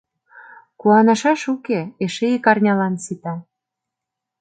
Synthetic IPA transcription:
kuɑnɤ̆ʃɑʃukeeʃeikɑrnʲɑlɑnsit̪ɑ

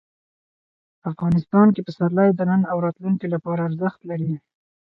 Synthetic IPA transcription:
afɣɑnɪst̪ɑnkepəsaɾlajd̪ənənawɾɑt̪luŋkilapɑɾaːɾzəxt̪laɾi

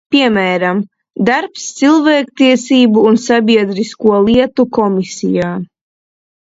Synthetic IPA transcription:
pʲiɛmæːɾam | d̪aɾpst̪silˠvɛːkt̪iɛsiːbuːnsabʲiɛd̪ɾiskuɔlˠiɛt̪ukɔmisḭjaː

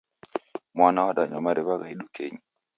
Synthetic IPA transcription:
mwanaɔɗaɲɔmaɾɛβaɡaiɗukeɲ

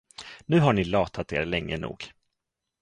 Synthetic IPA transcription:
nʉ̟ːɦaɳɪlɑːt̪ʰat̪ḛːɾlɛŋːənṵːɡ

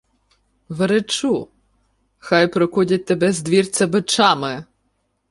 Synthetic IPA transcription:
ʋeɾet͡ʃu | xɑjpɾɔkudʲɐt̚ʲt̪ːebɛzd̪ʋʲirt͡sʲɐbɪt͡ʃɑmɪ

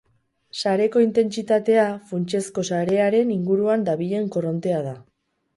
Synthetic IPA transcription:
saɾe̞ko̞int̪e̞nt͡sit̪at̪e̞afunt͡ʃe̞sko̞saɾe̞aɾe̞niŋɡuɾuand̪aβiʎe̞ŋko̞ro̞nt̪e̞að̞a

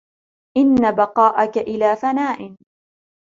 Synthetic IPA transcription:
ʔɪnːabɑqɑːʔakaʔɪlaːfanaːʔɪn

